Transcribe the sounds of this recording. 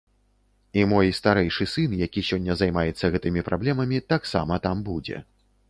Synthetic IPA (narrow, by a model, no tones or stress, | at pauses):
imɔjst̪aɾɛjʂɨsɨnjakʲisʲɔnʲːɐzajmajɛt̪sːɐɣɛt̪ɨmʲipɾʔablʲɛmɐmʲit̪aksa̰mɐt̪ambud͡zʲɛ̰